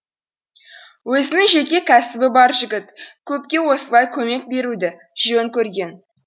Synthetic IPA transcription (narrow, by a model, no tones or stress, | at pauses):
wɵzɪnɪŋʒe̞kʲe̞kʲʰæsɪbɪbɑɾʒɪɡʲɪt̪kʲʰɵp̚kʲe̞wo̞səlˠɑjkʲʰɵme̞k̚be̞ɾud̪ɪ | ʒ̥ijeŋkʲʰɵɾɡʲe̞n